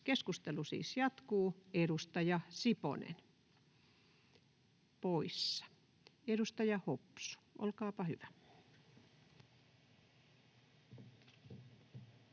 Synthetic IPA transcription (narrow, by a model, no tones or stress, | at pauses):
keskust̪elusḭːsjɑt̪kuːeɾust̪ɑjɑsipo̰nḛn | poisːɑ̥ | edust̪ɑjɑhopsu̥ʔo̰lkɑːpɑhyʋæ